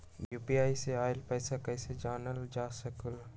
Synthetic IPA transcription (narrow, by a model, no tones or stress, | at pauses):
juːpiaːiseaːɪlpɛːsakɛːsed͡ʒaːnəld͡ʒaːsəkəl